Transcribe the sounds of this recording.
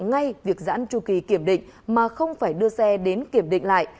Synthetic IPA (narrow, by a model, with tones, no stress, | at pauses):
ŋa˧jvi˨˩ək̚za̰ː˧˥nt͡ɕu˧˩ki˨˦ki˧˩əmɗḭ˧˨ŋ̟maː˨˩xə˧wŋ͡mfaː˧˩jɗɨ˧əsɛ˧ɗe˨˦nki˧˩əmɗḭ˧˨ŋ̟la̰ː˧˨j